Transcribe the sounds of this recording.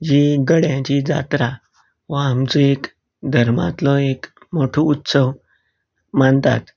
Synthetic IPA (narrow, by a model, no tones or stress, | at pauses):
d͡ʑiɡəɽjãt͡ɕid͡za̰t̪ɾa | ʋaamt͡suek | d̪ʱəɾma̰t̪lɔek | moʈʰuut̪səʋ | maɳt̪a̰t̪